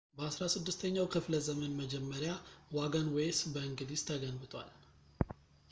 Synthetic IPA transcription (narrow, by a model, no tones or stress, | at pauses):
bəasɾasɨd̪ːɨst̪ʰəɲːawkʰɨfləzəmənməd͡ʒɛmːəɾjawaɡənwejsbəɨŋɡɨd̪ist̪ʰəɡənbɨt̪ʰʼwa̰l